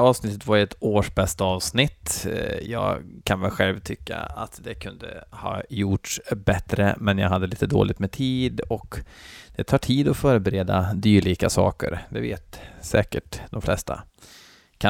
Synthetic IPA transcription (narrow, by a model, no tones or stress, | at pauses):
ɑːvsnɪt̪ːət̪vaɾɛt̪oːʂbɛst̪aɑːvsnɪt̪ːjɑːɡkʰanvɛlɧɛlvt̪ʰʏkːa̰at̪d̪ɛkʰɵnd̪ə̰hɑ̰ːjʊʈʂbɛt̪ɾə̰mɛnjɑ̰ɡɦad̪ːəliːt̪əd̪o̰ːlʔɪt̪mɛt̪ʰiːd̪ɔk | d̪̥ɛt̪ʰɑːʈʰiːd̪ɔfœːɾəbɛɾeːd̪ad̪yːɭiːkasɑ̰ːkə̰ɾd̪ɛveːt̪sɛːkəʈd̪ɔmflɛst̪a̰ | kʰa